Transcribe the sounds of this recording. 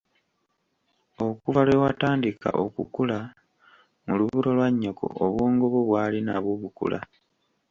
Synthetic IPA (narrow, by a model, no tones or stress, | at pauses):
o̞kuvalwewataːndika̰ʔo̞̰kṵkula | muluβuɾo̞lwaɲːokʰo̰ʔoβwoːŋɡo̞βoβwaːlinaβuβukṵlʔa̰